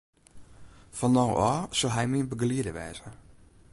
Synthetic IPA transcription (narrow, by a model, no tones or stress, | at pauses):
fɔnɔwʔɔːsolˠɦɛjmiənbəɡliədəʋɛ̰ːzə